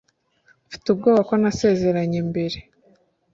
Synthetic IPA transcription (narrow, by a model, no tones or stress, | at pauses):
ufi̥tub̚ɡo̞ːβako̞nase̞ːze̞ɾaɲembe̞ɾe̞